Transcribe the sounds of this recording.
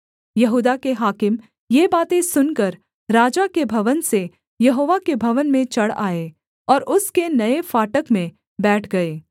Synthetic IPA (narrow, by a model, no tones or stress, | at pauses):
jɐɦuːd̪akeɦaːkɪm | jebaːt̪ẽsʊnkɐɾ | ɾaːd͡ʒakebʱɐʋənse | jɐɦoːʋakebʱɐʋənmẽt͡ʃɐɽa̰ːe | ɔːɾʊskenɐefaːʈəkmẽ | bɛːʈʰɡɐeː